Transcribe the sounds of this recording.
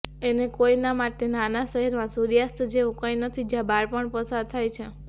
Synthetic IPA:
enekoinamaʈenanaʃəɦiɾmãsuɾjast̪ʰd͡ʒeʋõkõjnət̪ʰid͡ʒjãbaɾpəɳpəsaɾt̪ʰajt͡ʃʰe

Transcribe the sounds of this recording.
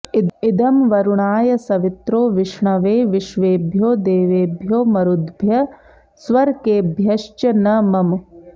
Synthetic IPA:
id̪ɐmʋɐɾuɳaːjɐsɐʋit̪ɾoːʋɪʂɳɐʋeːʋɪʃʋeːbʱjoːd̪eːʋeːbʱjoːmɐɾud̪bʱjɐ | sʋɐɾkeːbʱjɐʃt͡ʃɐnɐmɐm

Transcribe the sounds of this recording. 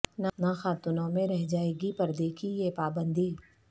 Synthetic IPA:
nanaxaːt̪ʊnõmẽɾɛɦd͡ʒaːeːɡipɐɾd̪eːkʰijepaːbə̃nd̪iː

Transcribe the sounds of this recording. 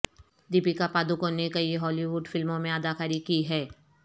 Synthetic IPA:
d̪ipikapaːd̪ukonekɐiɦɔːliʋʊɖfɪlmõmẽəd̪akaɾikiɦɛː

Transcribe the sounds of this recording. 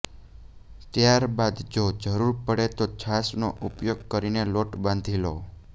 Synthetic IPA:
t̪jaɾbad̪d͡ʒod͡ʒəɾuɾpəɽet̪ot͡ʃʰasnoʔupjoɡkəɾineloʈbãnd̪ʱilo

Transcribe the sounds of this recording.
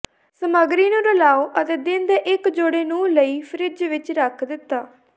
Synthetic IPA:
səmaːɡɾiːnũːɾəlaːoːʔət̪eːd̪ɪnd̪eːʔɪkd͡ʒoːɽeːnũːləiːpʰəɾɪd͡ʒʋɪt͡ʃɾəkʰd̪ɪt̪ːaː

